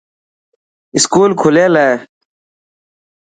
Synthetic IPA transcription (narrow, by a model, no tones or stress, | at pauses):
iskuːlkʰuleːlaː